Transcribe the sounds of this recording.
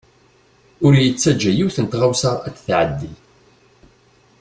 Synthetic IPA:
ʊɾjət͡sːæd͡ʒːæjiwθənt̪ʁawsɑɾˤæt͡sːθʕə̰d̪ːi

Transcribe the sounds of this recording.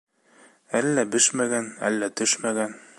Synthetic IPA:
ælːæbɘʃmæɡænæ̰lːæt̪ɵʃmæɡæn

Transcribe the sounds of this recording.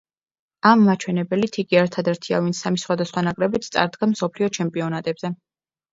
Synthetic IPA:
amːat͡ʃʰwɛnɛbɛlit̪ʰiɡiɛɾt̪ʰad̪ɛɾt̪ʰia̰vint̪sʰamisχwad̪asχwanakʼɾɛbit̪sʰt̪sʼa̰ɾd̪ɡamsɔpʰliɔt͡ʃʰɛmpʼiɔnat̪ʼɛbzɛ

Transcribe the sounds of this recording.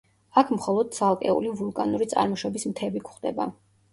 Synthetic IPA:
akʰmχɔlˠɔd̪̚t̪sʰalˠkʼɛ̰ṵlivulˠkʼanuɾit̪sʼa̰ɾmɔʃɔbismt̪ʰɛbikʰχd̪ɛba

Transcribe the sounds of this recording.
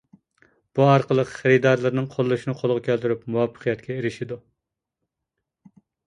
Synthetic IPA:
b̥uɑɾqəlˠəqχəɾɨd̪ɑɾlˠɨɾnɨŋqʰolˠːuʃinɨqʰolˠʁɑkʲæld̪yɾypmuwɑpʰːə̥qʰijɛt̪kʲɛeɾɪʃid̪u

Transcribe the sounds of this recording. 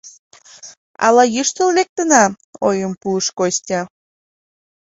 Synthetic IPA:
ɑ̰lɑjyʃt̪əllek̚t̪ənɑ | ojəmpuəʃkosʲt̪ʲɑ

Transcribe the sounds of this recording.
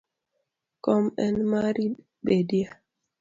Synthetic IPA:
kɔmɛnmaɾi | bedia

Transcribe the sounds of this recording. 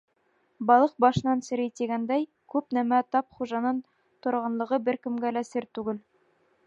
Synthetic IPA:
bɑlˠɤq̚bɑʃɤ̆nɑnsɘ̆ɾit̪iɡænd̪æj | kʉpnæmæt̪ɑp̚χuʒɑnɤn | t̪ŏɾʁɑnlˠɤ̆ʁɤbɘɾkɘ̆mɡælæsɘɾt̪ʉɡɘl

